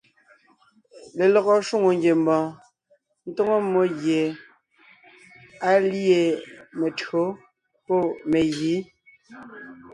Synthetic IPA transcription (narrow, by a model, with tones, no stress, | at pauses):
le˨lɔ˨ɣɔ˨ʃu˦ŋo˨ŋɡje˨mbɔ̃ː˨ | n̩˦to˦ŋo˦mːo˦ɣje˨ | a˨lje˨me˨tɰo˨˦ | po˦˨me˨ɣi˨˦